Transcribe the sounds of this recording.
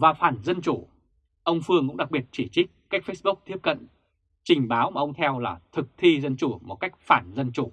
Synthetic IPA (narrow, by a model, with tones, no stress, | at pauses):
vaː˨˩faː˧˩nzə˧nt͡ɕu˧˩ | ʔə˧wŋ͡mfɨ˧əŋkʊ̰˧˥ŋ͡mɗa˨˩k̚ɓi˨˩ət̚t͡ɕi˧˩t͡ɕï˦˥k̚ka˦˥jk̟̚fe˦˥sɓʊ˦˥k̚t̪ʰi˦˥əp̚kə̰˧˨n | t͡ɕï˨˩ŋ̟ɓaː˨˦wmaː˨˩ʔə˧ŋ͡mt̪ʰɛ˧wla̰ː˨˩t̪ʰɨ˨˩k̚t̪ʰi˧zə˧nt͡ɕu˧˩mo˨˩t̚ka˦˥jk̚faː˧˩nzə˧nt͡ɕu˧˩